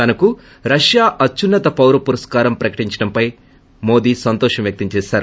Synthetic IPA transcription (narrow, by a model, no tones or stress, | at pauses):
t̪ɐnɐku | ɾɐʂjaːʔɐt͡ʃːunːɐt̪ɐpɐwɾɐpuɾɐskaːɾɐmpɾɐkɐ̥ʈiɲt͡ʃɐɽɐmpɐj | mo̞ːd̪iːsɐnt̪ɔːʂɐmjɐk̚t̪ɐmt͡ʃɛːʃaːɾu